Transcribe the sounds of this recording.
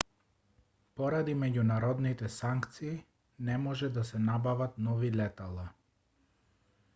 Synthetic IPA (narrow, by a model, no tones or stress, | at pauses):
pɔɾad̪imɛɟunaɾɔd̪nit̪ɛsaŋkt̪siː | nɛmɔʒɛd̪asɛnabavat̪nɔvilɛt̪alˠa